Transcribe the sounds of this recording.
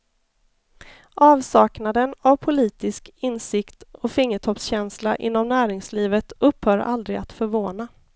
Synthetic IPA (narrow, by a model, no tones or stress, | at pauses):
ʔɑːvsɑːknad̪ənavpʰʊliːt̪ɪskɪnsɪkt̪ɔfɪŋːəʈʰɔpsɕɛnslaʔɪ̰nːɔmnæːɾɪŋsliːvət̪ɵpːhœːɾa̰ld̪ɾɪɡa̰t̪fœɾvoːna